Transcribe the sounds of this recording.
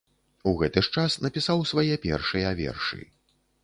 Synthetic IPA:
uɣɛt̪ɨʂt͡ʂasnɐpʲisawsvajɛpʲɛ̰rʂɨjɐvʲɛ̰rʂɨ̰

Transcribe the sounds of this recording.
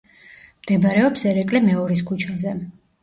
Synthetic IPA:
md̪̥ɛbaɾɛɔpsɛɾɛkʼlɛmɛɔɾis̬kʰut͡ʃʰazɛ

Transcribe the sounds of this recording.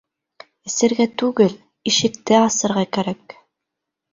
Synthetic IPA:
ɘ̆sɘ̆ɾɡæt̪ʉɡɘl | iʃɘ̆kt̪ɘɑsɤ̆ɾʁɑkæɾæk

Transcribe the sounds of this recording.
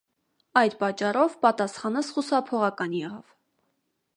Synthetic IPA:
ɑjd̪pɑt͡ʃːɑrɔvpɑt̪ɑsχɑnəsχusɑpʰɔʁɑkɑnjɛʁɑv̥

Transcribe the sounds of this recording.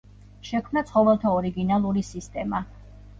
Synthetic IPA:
ʃɛkʰmnat̪sʰχɔvɛlˠt̪ʰaɔɾiɡinalˠuɾisist̪ʼɛma

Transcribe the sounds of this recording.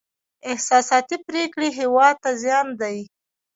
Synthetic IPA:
ɪhsɑsɑt̪ipɾekɽeɦewɑd̪̚t̪azjɑnd̪aj

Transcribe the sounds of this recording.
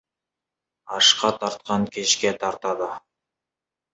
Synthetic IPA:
ɑʃqɑt̪ʰɑɾt̪̚qɑŋkʲʰeʃkʲe̞t̪ʰɑɾt̪ɑd̪ə

